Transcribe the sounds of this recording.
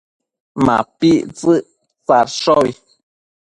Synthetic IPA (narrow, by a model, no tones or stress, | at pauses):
ma̰piʔt͡sɨʔ | t͡saɾʃɔi